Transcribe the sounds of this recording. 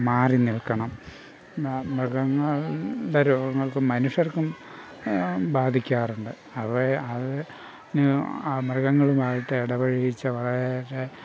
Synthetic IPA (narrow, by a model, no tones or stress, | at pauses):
maːriniɭkɐɳɐm | mrɨɣɐŋːɐɭɖeɾo̞ːɡɐŋːɐɭkɨmːɐnuʂɐrkum | baːd̪ʱikʲːaːruɳɖɨ | ɐpːreɐðɨ | nɨmrɐɣɐŋːɐɭumaːɻiʈːɨeɽɐbɐɻijit͡ɕːɐʋɐɭɐɾeɾe